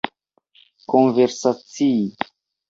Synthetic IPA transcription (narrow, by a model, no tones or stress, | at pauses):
konveɾsat͡sii